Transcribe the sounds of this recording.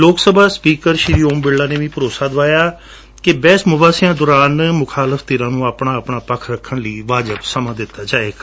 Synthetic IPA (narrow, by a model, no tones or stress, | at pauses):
loːksəbʱaːspiːkəɾʃɪɾiːoːmbɪlːaːneːʋĩːpəɾoːsaːd̪ʋaːjaː | kɪbɛːsmʊbaːsɪjãːd̪ʊːɾaːnmʊkʰaːləft̪eːɾãːnũːaːpɳaːəpɳaːpəkʰɾəkʰːəɳliːʋaːd͡ʒəbsəmãːd̪ɪt̪ːaːd͡ʒaːeːka